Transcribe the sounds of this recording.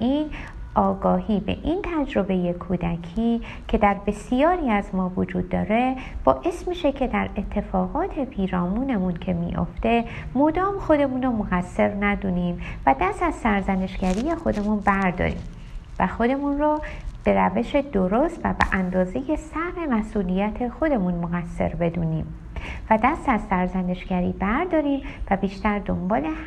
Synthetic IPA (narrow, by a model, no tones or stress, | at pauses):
ʔin | ʔɒːɡɒːɦiːbe̞̰ʔint̪ʰæd͡ʒɾo̞be̞je̞kʰuːd̪æcʰiː | cʰe̞d̪æɾbe̞sijɒːɾiæzmɒːvod͡ʒuːd̪̚ːɒ̰ːɾe̞ | b̥ɒːʔe̞smiːʃe̞cʰe̞d̪æɾe̞t̪ʰːe̞fɒːɣɒːt̪ʰe̞pʰiːɾɒːmuːne̞muncʰe̞mḭːʔo̞̰ft̪e̞ | mod̪ɒːmxo̞d̪e̞munɾomoɣæsːe̞ɾnæd̪uːniːmvæd̪æst̪æz̥sæɾzæne̞ʃɟæɾiːje̞xo̞d̪e̞munbæɾd̪ɒ̰ɾḭːm | væxo̞d̪e̞munrɔːb̥e̞ɾæve̞ʃe̞d̪oɾost̪væbḛʔænd̪ɒːze̞je̞sæhme̞mæsʔuːlijæt̪ʰe̞xo̞d̪e̞munmoɣæsːe̞̰ɾbe̞d̪uːniːm | væd̪æst̪æzsæɾzæne̞ʃɡ̥æɾiːbæɾd̪ɒːɾiːmvæbiːʃt̪æɾd̪o̞mbɒːle̞